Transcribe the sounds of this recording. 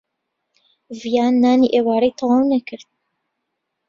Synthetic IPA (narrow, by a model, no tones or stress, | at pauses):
vijaːnːaːniʔeːwaːɾejt̪ʰɑwɑːwnɛkʰɨɾd̪̚